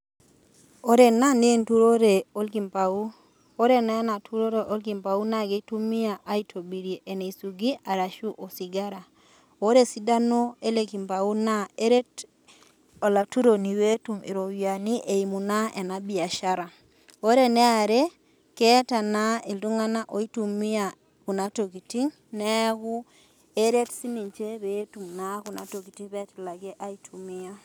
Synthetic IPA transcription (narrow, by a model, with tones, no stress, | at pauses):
o˦ɾe˨na˦ni˦e˦˨ntu˦ɾo˦ɾe˨o˦lki˨mpa˨u˦ | o˦ɾe˦na˦na˨tʰu˦ɾo˦ɾeʔo˦lki˨mpa˨u˦na˦ɡe˨tu˦mi˦a˨ʔa˦i˦tʰo˨bi˨ɾe˨ʔe˨ne˨i˨su˨ɡi˦a˨ɾa˨ʃu˦ʔo˨si˨ɡa˦ɾa˨ | o˦ɾe˦si˦da˦no˦e˦le˦ki˨mpa˨u˦na˦e˦ɾe˦t | o˨la˨tu˦ɾo˨ni˨we˦tu˨mḭ˨ɾo˨wja˨ni˦ʔe˨i˨mu˨na˦ʔe˨na˨bi˨a˨ʃa˦ɾa˨ | o˦ɾe˦˨nɛ˦a˨ɾe˦ | kɛ˦ta˨na˦e˨ldu˦ŋa˦na˦ʔo˨i˦tu˨mi˦a | ku˨na˦to˨ki˨ti˦ŋ | nɛ˦ɣu˦ | e˦ɾe˦tsi˦ni˨ɲt͡ʃe˦βe˦tu˨mna˦ku˨na̰˨to˨ki˨ti˦ŋβɛ˦tla˨ɡe˦ʔa˦i˦tʰu˨mi˦a˦